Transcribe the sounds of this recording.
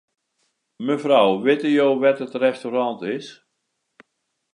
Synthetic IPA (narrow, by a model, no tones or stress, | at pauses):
məvrawʋɪtəjowʋɛtətrɛstorɑntɪs